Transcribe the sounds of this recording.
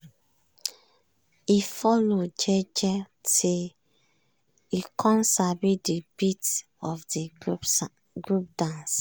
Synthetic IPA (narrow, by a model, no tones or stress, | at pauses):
ifɔlod͡ʒɛd͡ʒɛ | te | ikʰɔ̃nsabidibit | ɔfdi | ɡɹup̚dãns